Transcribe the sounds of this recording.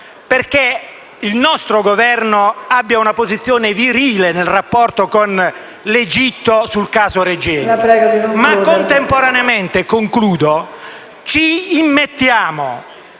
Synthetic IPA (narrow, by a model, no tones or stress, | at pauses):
perke | ilnɔst̪ɾoɡovɛrnoabːjaunapozit̪sːjɔːneviɾiːlenelrapːɔrt̪okon | led͡ʒit̪ːosulkaːzoɾed͡ʒɛːɾɛɡod̪imakːont̪empoɾaneament̪ekoŋkluːd̪o | t͡ʃiːmːet̪ːjaːmo